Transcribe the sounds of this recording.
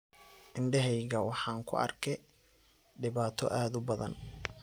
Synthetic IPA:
ʔɪɳɖɛɦɛjɣɐwɑħɑːŋkʰʊ̰ʔɐ̰rkʰɛ | ɖɪβaːt̪ʰɔ̰ʔaːd̪ʊbɐðɐ̰n

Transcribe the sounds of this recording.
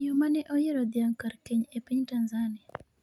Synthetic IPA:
ɔmanɛʔɔjeɾɔd̪ɪjaŋkaɾkeɲepiɲtanzania

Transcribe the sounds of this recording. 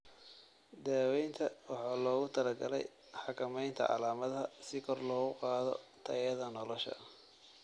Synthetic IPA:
d̪aːwɛjnt̪ʰɐwɑħɑːlɔːɣʊt̪ʰɐlɐɡɐlɛ̰j | ħɑkʰɐmɛjnt̪ʰɐ̰ʕɑ̰laːmɐðɦɐsɪkʰɔrlɔːɣʊqɑːðɔ̰t̪ʰɐ̰jɐðɐnɔlɔʃɐ̰

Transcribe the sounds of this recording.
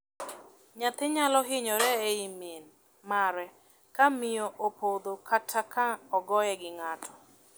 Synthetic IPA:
ɲat̪ɪɲalɔɦɪɲɔɾɛeimen | maɾɛ | kamɪjoʔopod̪okʰatʰːakaɔɡɔjɛɡɪŋatʰɔ̥

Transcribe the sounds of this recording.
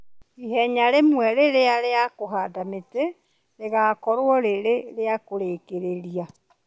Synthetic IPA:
ihɛɲaɾemwɛɾeɾeaɾeakoɦaːdamete | ɾeɣakɔɾwɔɾeɾeɾeakoɾekeɾeɾia

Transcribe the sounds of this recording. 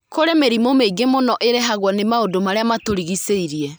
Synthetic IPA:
koɾemeɾimomeiɡemonɔʔeɾeɦaɣwɔnemaodomaɾeamatoɾiɣiseiɾiɛ

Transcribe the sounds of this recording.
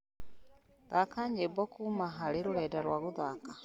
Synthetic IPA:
ðakaɲebɔkumaɦaɾeɾoɾɛːdaɾwaɣoðaka

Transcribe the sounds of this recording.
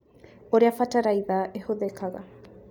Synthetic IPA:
oɾeafataɾajðaːʔehoðekʰaɡa̰

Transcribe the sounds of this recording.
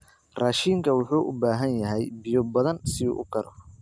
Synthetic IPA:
raːʃiːŋkʰɐwʊħuːʔʊbaːɦɐnjɐɦɛjbɪjɔbɐðɐnsɪṵːʔʊkʰɐɾɔ

